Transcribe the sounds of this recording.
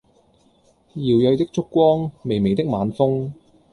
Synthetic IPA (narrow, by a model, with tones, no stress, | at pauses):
jiː˨wjœ˨˧ɥt̪ɪ˥k̚t͡ʃʊ˥kːʷɔː˥ŋme˨jme˨˩jt̪ɪ˥k̚maː˨˧nfʊ˥ŋ